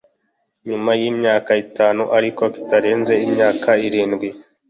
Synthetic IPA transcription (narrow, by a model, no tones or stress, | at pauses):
ɲumajimɲaːkaitaːnuʔaɾiko̞ki̥taɾe̞ːnze̞imɲaːkaiɾiːnɡwi